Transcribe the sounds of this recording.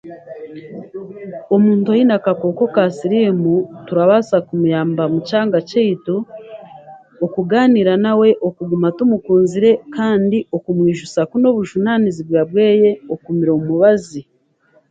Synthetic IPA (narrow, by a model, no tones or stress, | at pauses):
omuːntojinakakoːko̞kasiɾimutuɾaβasakumujaːmbamucaːŋɡaceitu | okuɡaːniɾanawe̞ʔo̞kuɡumatumukuːnziɾe̞kaːndio̞kumwiːʒusakuno̞βuʒunaniziβwaːbwe̞ːje̞o̞kumiɾomuβazi